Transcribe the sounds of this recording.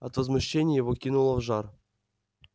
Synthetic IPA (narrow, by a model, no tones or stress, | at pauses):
ɐt̪vəzmuɕːenʲɪjjɪvokʲinulˠəvʐɑr